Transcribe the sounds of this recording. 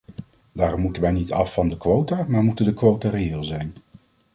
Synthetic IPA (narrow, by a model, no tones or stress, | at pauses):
daːrɔmːutənʋɛjnitɑfːɑndəkʋowtaːmaːɹmutəndəkʋowtarejɪːlˠzɛjn